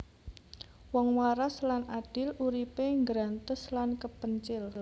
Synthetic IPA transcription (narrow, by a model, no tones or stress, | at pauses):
wɔŋwaɾaslanʔad̥ɪluɾipeŋɡɾant̪ɪslankəpəɲt͡ʃɪl